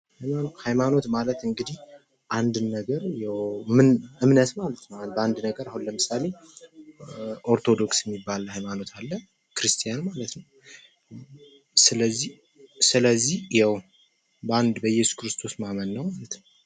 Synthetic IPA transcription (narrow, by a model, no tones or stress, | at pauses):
hajahajmano̞t̪malət̪ɨŋɡɨd̪ih | ʔand̪nːəɡəɾjɛwmɨnɨmnət̪malət̪nəbəand̪nəɡəɾahunləmɨsale̞ | ʔo̞ɾt̪ʰo̞d̪o̞ksjɛmːibːalhajmano̞t̪ʰalːə | kɾɨst̪ʰijanmalət̪nəw | sɨləzːi | sɨləzːihjɛw | bəand̪bəjɛsu̥kɾɨst̪ʰo̞smamənːəwmalət̪nəw